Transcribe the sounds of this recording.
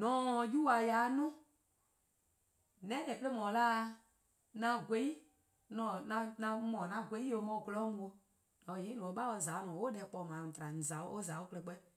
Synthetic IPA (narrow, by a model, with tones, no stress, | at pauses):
nɔ̃ː˨˦˧ju˦wa˧jaː˨˦nũ˦ | nɛ̃˦dɛ˨pə˦e˦mɔ̃ː˨˦laː˦˧ | nã˧ɡwe˨˦i˦ | nɔ̃˨nã˧nã˧mɔ̃ː˨nã˨˧˨ɡʷe˨˦i˦jo˨˦mɔ̃ː˧˨ɡə˧lɔ˦ŋ̩˧˦wo˧ | nɔ̃˨je˨˦nɔ̃˨o˧˦ɓa˦wo˧˨zaː˨˦mɔ̃ː˨o˦ɛ˨˦k͡pɔ˧˨mãː˨tɾa˨ñ̩˨za˨o˦ʔo˦za˨˦o˦kə˧lɛ˧k͡pɛ˦